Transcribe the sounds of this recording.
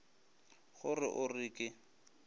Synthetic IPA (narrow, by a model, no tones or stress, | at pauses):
χʊrɪʔʊrɪːkʼɪ